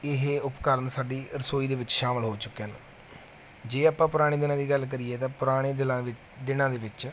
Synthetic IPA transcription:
ɪɦʊpkəɾənsaːɖiːɾəsoːiːd̪eːʋɪt͡ʃʃaːməlɦoːt͡ʃʊkːeəːnː | d͡ʒeːaːpãːpʊɾaːɽ̃eːd̪ɪnãːd̪iːɡəlk̬əɾiːeːt̪ãːpʊɾaːɽ̃eːd̪ɪlãː | d̪ɪnãːd̪eːʋɪt͡ʃ

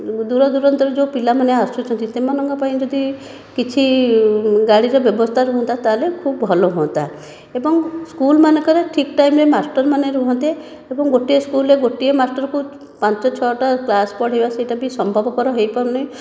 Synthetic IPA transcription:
d̪uɾɔd̪uɾɔnt̪ɔɾɔd͡ʒopilamaneaɾsut͡ʃʰɔnt̪it̪emɔnɔŋkɔpaĩd͡ʒɔd̪i | kit͡ʃʰi | ɡaɽiɾɔbjɔbɔst̪ʰaɾuɦɔ̃nt̪ʰat̪alekʰubbʱɔloɦoɔnt̪a | ebɔŋskulmanekɔɾeʈʰikʈajmɾemasʈɔɾmaneɾuɦɔnt̪e | ebɔŋɡoʈieskuleɡoʈiemaɾsʈɔɾɔku | pãnt͡ʃɔt͡ʃʰɔʈaklaspɔɽɦebasejʈabisɔmbʱɔbɔkɔɾɔɦejpɔɾɔnɔĩ

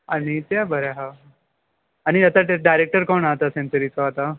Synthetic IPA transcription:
anit̪jabəɾaɦa | aɽ̃iat̪aɖajɾek̚ʈəɾkoɳat̪asẽnsəɾit͡sɔɦat̪a

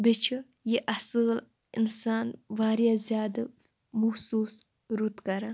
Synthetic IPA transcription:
bit͡ʃʰi | jiʔɐsɨl | insaːnʋaːɾjazʲjaːd̪ɨ | muhsuːs | ɾut̪kɐɾa

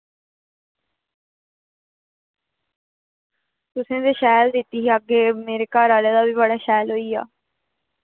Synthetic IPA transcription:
t̪ʊsẽːd̪eːʃɛːld̪ɪt̪ːiːɦːəɡeːmeːɾeːkaːɾaːleːd̪aːbiːbəɽaːʃɛːlɦoːiːa̰ː

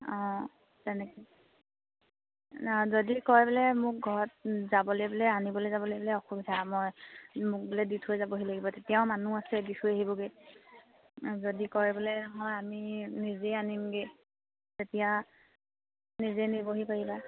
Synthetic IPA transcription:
ɔ̃ | tɛnɛki | zodikɔɹɛbelɛmʊk̚ɡʱɔɹɔt̚zabɔlojbelɛanibɔlojzabɔljbɔlɛɔxubitʰamɔjmʊk̚belɛditʰojzabɔɦilaɡibɔtetijaʊ̃manuasɛdikʰuaɦibɔɡe | zodikɔɹɛbɔlɛnɔɦɔjaminizeanimɡe | tetija | nizɛniboɦipaɹiba

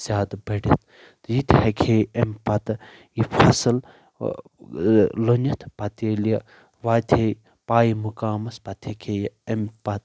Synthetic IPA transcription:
sʲaːd̪bɐɖɐt̪̚ʰ | t̪ɨjit̪ʰhɐkʰeːempɐt̪ | ifʰɐsɨl | lonɐt̪ʰpɐt̪eːlijɐ | ʋaːt̪ʰe | paːjimukaːmɐspɐt̪ʰɐkʰeːjempɐt̪̚

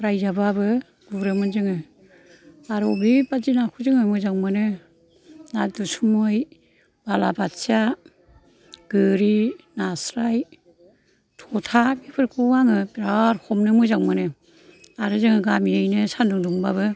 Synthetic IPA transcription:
ɾajzababɯ | ɡ̥uɾɯmɯnzɯŋɯ | aɾɔbibazinakʰuzɯŋɯmɯzaŋmɯnɯ | nadusumɯj | balabatsia | ɡ̥ɯɾinasɾaj | tʰɔtʰabepʰɯɾkʰuwaŋɯpɾaɾkʰɔmnɯmɯzaŋmɯnɯ | aɾɯzɯŋɯɡamiajnɯsanduŋduŋbabɯ

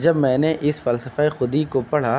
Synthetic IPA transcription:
d͡ʒɐbmɛ̃ːneʔɪsfɐlsəfaexʊd̪ikopɐɽ̤a

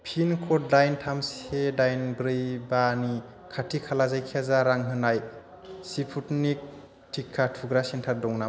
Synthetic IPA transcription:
pʰinkʰɔt̚dajntʰamsedajnbɾɯjbani | kʰatʰikʰalazajkʰiazaɾaŋɦɯnaj | sipʰutnik̚ | tʰikʰːatʰuɡɾasentʰaɾ̚dɔŋna

